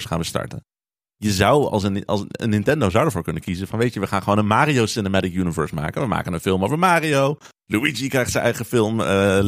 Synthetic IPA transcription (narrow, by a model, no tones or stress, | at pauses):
sχaːnbəstɑ̰ɹtə̰n | jəzɑwɑ̰lˠsənɑ̰ə̰nːɪntɛndowzʌwdəɹvoːɹkɵnəkizənfɑnʋejtəʋəχaːnχəʋownənmaːriowsɪnəmɛtɪkjynivɛɹsma̰ːkənʋəma̰ːkənənfɪlˠmowvəɹmaːriow | luid͡ʒikrɛjχtsənʔɛjχəfɪlˠmə